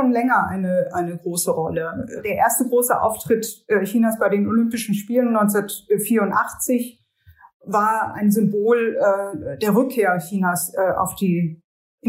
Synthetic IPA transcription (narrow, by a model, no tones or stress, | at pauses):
oːnlɛŋɐʔa̰ɪnəʔaɪnəɡʁoːsəʁɔləd̥eːɐʔeːɐstəɡʁoːsəʔa̰ʊftʁ̥ɪtʔɛçiːnaːsb̥aɪdeːnolʏmpɪʃn̩ʃpiːlənːɔʏnt͡sɐtfiːɐʊntʔaχt͡sɪç | vaːɐʔa̰ɪnzʏmboːlɛːd̥eːɐʁʏkʰːeːɐçiːnasʔɛːʔa̰ʊfd̥iː